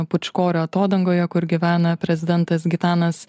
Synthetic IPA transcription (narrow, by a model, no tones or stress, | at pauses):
pʊt͡ʃkoːɾʲoːɐt̪oːd̪ɐŋɡoːjɛkʊɾɡʲɪʋʲæːnɐpʲɾʲɛzʲɪd̪ʲɛnt̪ɐsɡʲɪt̪ɑːnɐs